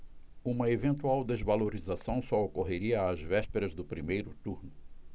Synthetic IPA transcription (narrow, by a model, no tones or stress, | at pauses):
ũmɐevẽnt̪uawd̪ezvaloɾizasɐ̃w̃sɔokoɦeɾiɐːzvɛʃpeɾɐzd̪ʊpɾimejɾʊt̪uɾnʊ